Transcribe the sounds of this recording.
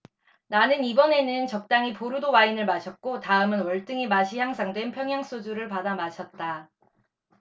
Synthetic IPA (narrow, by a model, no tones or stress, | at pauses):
nanɯnibʌne̞nɯnt͡ɕʌk̚t͈aŋipoɾudowainɯɭmaɕʰʌt̚k͈otaɯmɯnwʌɭt͈ɯŋimaɕʰiçjaŋsʰaŋdwe̞npʰjʌŋjaŋs͈od͡ʑuɾɯɭpadamaɕʰʌt̚t͈a